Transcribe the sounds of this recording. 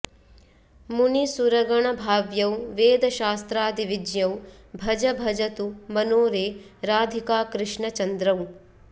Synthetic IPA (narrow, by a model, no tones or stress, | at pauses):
munisuɾɐɡɐɳɐbʱaːʋjɐwʋeːd̪ɐʃaːst̪ɾaːd̪iʋid͡ʒjɐwbʱɐd͡ʒɐbʱɐd͡ʒɐt̪umɐnoːɾeːɾaːd̪ʱikaːkɾɪʂɳɐt͡ʃɐnd̪ɾɐw